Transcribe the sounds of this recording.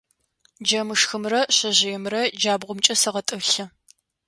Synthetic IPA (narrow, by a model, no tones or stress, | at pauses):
d͡ʒɐmɨʂxɨmrɐɕɐʑɪjɛmrɐd͡ʒaːbʁʷʊmt͡ʃʼɐsɐʁɐtʼɨɬɐ